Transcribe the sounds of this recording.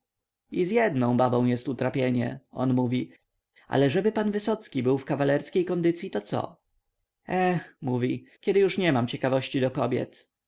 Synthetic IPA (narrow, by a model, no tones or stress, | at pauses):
izjɛd̪nɔ̃w̃babɔ̃w̃jɛst̪ut̪ɾapʲjeɲɛ̰ɔ̰nmuvʲi | ʔa̰lɛʐɛbɘpanvɘsɔt̪skʲibɘwfkavalɛɾskʲejkɔnd̪ɘt̪sʲjit̪ɔt̪sɔ̰ | ɛxmuvʲikʲjɛd̪ɘjuʂɲɛmamt͡ɕɛkavɔɕt͡ɕid̪ɔkɔbʲjɛ̰t̪